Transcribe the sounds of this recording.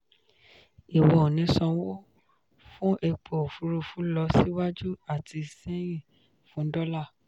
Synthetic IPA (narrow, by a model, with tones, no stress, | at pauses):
i˨wɔ˨nĩ˨˧˦sɔ̃˧wo˦ | fũ˦ʔe˧k͡po˨o˨fu˨˧ɾu˧˨fũ˨˦lɔ˧˦si˦wa˦d͡ʒu˦a˦˨tʰi˧sẽ˦j̃ĩ˦˨ | fũ˨˦dɔ˦la˦˨